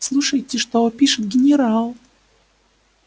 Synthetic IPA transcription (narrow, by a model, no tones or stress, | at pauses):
slˠuʂəjtʲɪʂt̪opʲiʂɨt̪ɡʲɪnʲɪɾalˠ